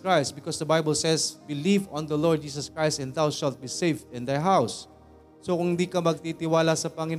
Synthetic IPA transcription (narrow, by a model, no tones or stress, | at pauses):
kɹajst̪̚bɪkɔsd̪ɐbajbəlsɛsbɪlivɔ̃nd̪ɐlɔɹd̪̚d͡ʒiːs̬ɐskɹajst̪ɛ̃nd̪awʃalt̪̚bisejvd̪ɪ̃nd̪ajɦawsː | okʊŋhɪnd̪iːkɐmɐɡ̚t̪it̪ɪwaːlasɐpɐŋɪn